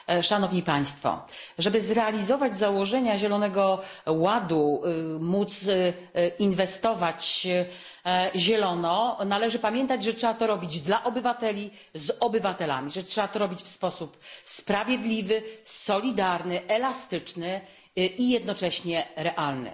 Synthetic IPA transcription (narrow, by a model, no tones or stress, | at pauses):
ʂanɔvɲipaj̃st̪fɔ̰ʐɛbɘzɾɛalʲizɔvad͡ʑzawɔʐɛɲaʑɛlɔnɛɡɔwad̪umut̪s | invɛst̪ɔvat͡ɕ | ʑɛlɔnɔnalɛʐɘpamʲjɛnt̪ad͡ʑʐɛtʂɛbat̪ɔɾɔbʲid͡ʑd̪laʔɔbɘvat̪ɛlʲi | zɔbɘvat̪ɛla̰mʲiʐɛtʂɛbat̪ɔɾɔbʲit͡ɕfspɔsupspɾavʲjɛd̪lʲivɘsɔlʲid̪aɾnɘʔɛlast̪ɘt͡ʂnɘ | ijɛd̪nɔt͡ʂɛɕɲɛɾɛʔalnɘ̰